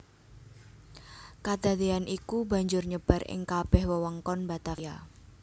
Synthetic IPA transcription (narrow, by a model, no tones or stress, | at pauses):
kad̪̥a̤d̪ianʔikuba̤ɲd͡ʒʊrɲəb̥a̤rɪ̰ŋkab̥ɛhwəwɔŋkɔnbat̪aa